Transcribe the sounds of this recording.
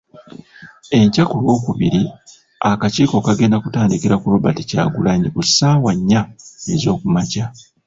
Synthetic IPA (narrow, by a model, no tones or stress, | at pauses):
e̞ɲcakulwo̞ːkuβiɾi | akaciːko̞kaɡe̞ːndakutaːndikiɾakulo̞βatica̰ːɡulaɲikusaːwaɲːaezo̞ːkumaca